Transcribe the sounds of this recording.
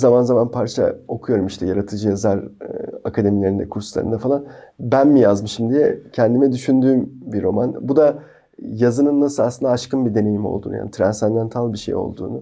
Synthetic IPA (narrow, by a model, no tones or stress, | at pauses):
zamanzamanpʰaɾt͡ʃʰa̰o̞kʰujo̞ɾumiʃt̪ʰɛjaɾat̪ʰɯd͡ʒɯjazaɾakʰad̪e̞milʲe̞ɾind̪ɛ̰kʰuɾsusˠa̰ɾɯ̰nd̪ɛfalˠanbænmijazmɯʃɯmd̪ijɛcʰɛnd̪imɛd̪yʃynd̪yːmbiɾo̞manbud̪a | jazɯnɯnːasɯlasɯnd̪aːʃkɯnbid̪e̞ne̞jimo̞̰lˠd̪ṵnuja̰ːnit̪ʰɾansand̪ɛnt̪ʰalˠbiʃḛjo̞̰lˠd̪ṵːnu